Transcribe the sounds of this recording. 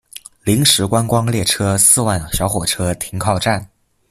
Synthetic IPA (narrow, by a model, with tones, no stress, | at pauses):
li˧˥ŋʂɻ̩˧˥kwa˥nkwɑ˥ŋljɛ˥˩ʈ͡ʂʰɤ˥sɹ̩˥˧wa˥˩nɕjɑ˧˥ʊxwɔ˨˩ʈ͡ʂʰɤ˥t̪ʰi˧˥ŋkʰɑ˥˧ʊʈ͡ʂa˥˩n